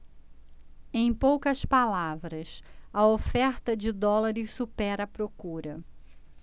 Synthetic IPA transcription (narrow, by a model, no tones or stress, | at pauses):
ẽj̃powkɐspalavɾɐsɐofɛɾt̪ɐd͡ʒɪd̪ɔlɐɾɪssupɛɾɐpɾokuɾɐ